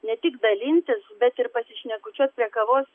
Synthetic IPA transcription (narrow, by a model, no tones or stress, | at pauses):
nʲɛt̪ʲɪkd̪ɐlʲɪnʲt̪ʲɪsbʲɛt̪ɪrpɐsʲɪʃʲnʲɛkʊt͡ʃʲuɔt̪̚ʲpʲɾʲiɛkɐʋoːs